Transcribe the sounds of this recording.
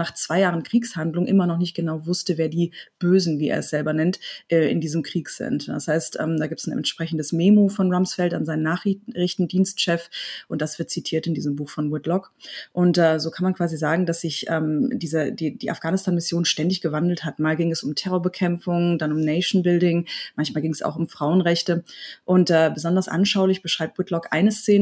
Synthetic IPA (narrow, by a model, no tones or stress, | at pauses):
naːχt͡sv̥aɪjaːʁənkʁ̥iːkshandlʊŋʔɪmɐnɔχnɪçt̚ɡ̥ənaʊvʊstəveːɐdiːb̥øːzn̩viːʔḛːɐɛsz̥ɛlbɐnɛntʔɛːʔɪ̰ndiːzəmkʁ̥iːkz̥ɪ̰ntda̰shaɪstʔɛ̰ːmdaːɡiːp̚tsn̩ɛ̰ntʃpʁ̥ɛçn̩dəsmeːmofɔnʁamsfɛltanzaɪnənaːχʁɪçtn̩diːnstʃɛfʔʊnt̚d̥asv̥ɪɐt̚t͡sitʰiːɐtɪndiːzəmbuːxfɔnwɪtlɔk | ʔʊntʔɛːzoːkʰanmankv̥aːzizaːɡŋ̩dasz̥ɪçʔɛ̰ːmd̥iːzədiːd̥iːʔa̰fɡ̥aːnɪstʰaːnmɪsjoːnʃtɛndɪçɡ̥əvandl̩thatmaːlɡɪŋɛsʊmtʰɛʁɔɐbəkʰɛmfʊŋdanʊmneɪʃn̩bɪldɪŋmançmaːlɡɪŋɛsa̰ʊxʊmfʁ̥aʊənʁɛçtəʔʊntʔɛːbəzɔndɐsʔa̰nʃaʊlɪçb̥əʃʁ̥aɪp̚t̚wɪtlɔkʔa̰ɪnəst͡seːnə